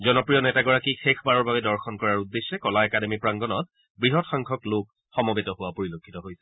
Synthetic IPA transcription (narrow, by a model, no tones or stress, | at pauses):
zɔnɔpɹijɔnɛtaɡɔɹakixʰekʰbaɹɔɹbabɛdɔɹxʰɔnkɔɹaɹudːesːɛkɔlaɛkademipɹaŋɡɔnɔt̚ | bɹiɦɔtxaŋkʰɔklok̚ | xɔmɔbetɔhʊwapoɹilokʰːitɔɦojsɛ̥